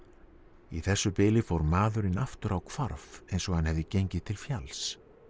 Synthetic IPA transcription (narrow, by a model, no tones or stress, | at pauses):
iθɛsːʏpɪːlɪfowɾmaːðʏɾɪnaft̪ʏɾawkʰvaɾvejnsɔɣhanhɛvðɪcejɲcɪ̥t̪ʰɪlfjals